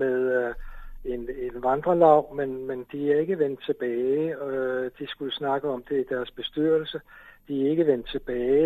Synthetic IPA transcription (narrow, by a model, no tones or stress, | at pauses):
meðˠ | e̝nenʋɑnd̥ʁɐlɑ̈ʊ̰menmend̥iæɐe̝ɡ̥əʋen̰d̥̚t͡sʰe̝b̥ɛː | d̥isɡ̥uləsnɑ̈ɡ̥əɒ̽md̥e̝id̥æɐsb̥e̝sd̥yɐ̰l̩səd̥iæe̝ɡ̥əʋen̰d̥̚t͡sʰe̝b̥ɛː